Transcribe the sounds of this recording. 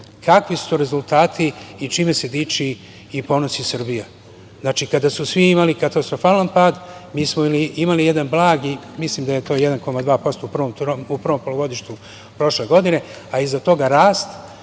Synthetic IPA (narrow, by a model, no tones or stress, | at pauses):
kʰakʋisu̥t̪oɾe̞zulˠt̪aːt̪ʰiːt͡ʃime̞se̞d̪iːt͡ʃiː | po̞no̞sisɨr̩bija | znat͡ʃikad̪asusʋiimalikat̪ast̪ɾo̞faːlanpaːd̪miːsmoiliimalijed̪anblˠaːɡi | misliːmd̪aje̞t̪o̞ːjed̪anko̞mad̪ʋaːpo̞st̪oupr̩ʋo̞mt̪upr̩ʋo̞mpo̞loʋo̞d̪iʃt̪u | pɾo̞ʃle̞ɡo̞d̪ine̞ | aizat̪o̞ɡaɾaːst̪